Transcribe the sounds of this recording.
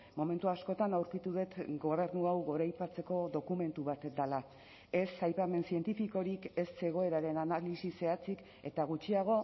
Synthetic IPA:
mo̞me̞nt̪uasko̞t̪anawɾkit̪uðe̞t̪ɡo̞β̞e̞ɾnuawɣo̞ɾajpat͡se̞ko̞ðo̞kume̞nt̪uβat̪d̪ala | e̞sajpame̞nsient̪ifiko̞ɾike̞sse̞ɣ̞o̞e̞ɾaɾe̞nanalisise̞at͡sik | e̞t̪aɣ̞ut͡ʃiaɣ̞o̞

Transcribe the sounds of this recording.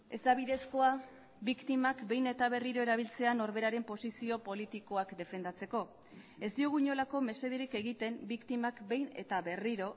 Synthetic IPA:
e̞zd̪aβiðe̞sko̞a | bikt̪imakbe̞jne̞t̪aβe̞riɾo̞e̞ɾaβ̞ilt͡se̞ano̞ɾβe̞ɾaɾe̞mpo̞sisio̞po̞lit̪iko̞akd̪e̞fe̞nd̪at͡se̞ko̞ | e̞zd̪iuɣuɲo̞lako̞me̞se̞ðiɾike̞ɣit̪e̞mbikt̪imakbe̞jne̞̰t̪aβe̞riɾo̞

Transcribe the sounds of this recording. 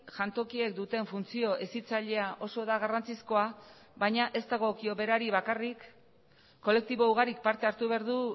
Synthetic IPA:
ʝant̪o̞kie̞k̚d̪ut̪e̞ɱfunt͡sio̞ʔesit͡saʎe̞aʔo̞so̞ðaɣ̞arant͡sisko̞a | βaɲaʔe̞st̪aɣo̞kio̞βe̞ɾaɾiβakarikː | o̞le̞k̚t̪iβo̞uɣaɾik̚paɾt̪e̞aɾt̪uβe̞aɾðu

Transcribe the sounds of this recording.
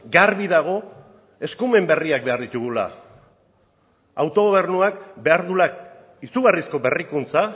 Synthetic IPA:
ɡaɾβiðaɣ̞o̞ | e̞skume̞mbe̞riak̚be̞aɾðit̪uɣula̰ | awt̪o̞ɣo̞β̞e̞ɾnuak̚be̞aɾðula | isuɣarisko̞be̞rikunt͡sa

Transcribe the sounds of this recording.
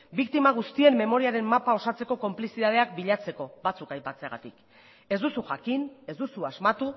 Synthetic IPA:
bikt̪imaɣ̞ust̪ie̞mːe̞mo̞ɾiaɾe̞mːapao̞sat͡se̞ko̞ko̞mplisiðað̞e̞ak̚biʎat͡se̞ko̞βat͡sukajpat͡seaɣa̰t̪ik | e̞zd̪usuʝakine̞zd̪usuazmat̪u

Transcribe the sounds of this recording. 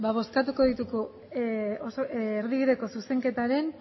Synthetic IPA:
baβo̞skat̪uko̞ðit̪uɣu | osoːɾðiβiðe̞ko̞suse̞ŋke̞t̪aɾe̞n

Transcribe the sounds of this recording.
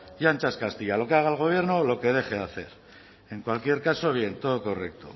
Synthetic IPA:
jant͡ʃaskast̪iʎalo̞keaɣ̞aelɣ̞o̞β̞je̞ɾnolo̞ke̞ð̞e̞xe̞aθe̞ɾ | e̞ŋkwalkje̞ɾkaso̞β̞je̞nt̪o̞ðo̞ko̞rekt̪o̰

